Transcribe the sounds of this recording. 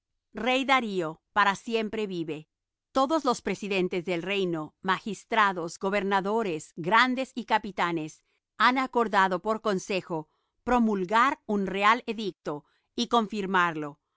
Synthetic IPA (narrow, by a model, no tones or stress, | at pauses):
re̞jðaɾio̞paɾasje̞mpɾe̞βiβe̞ | t̪o̞ðo̞zlo̞spɾe̞siðe̞nt̪ezðe̞lre̞jno̞maxist̪ɾaðo̞zɡo̞βe̞ɾnaðo̞ɾe̞sɡɾand̪e̞sikapit̪ane̞s | anako̞ɾðaðo̞po̞ɾko̞nse̞xo̞ | pɾo̞mulɣaɾunrealeðik̚t̪o̞ | iko̞ɱfiɾmaɾlo̞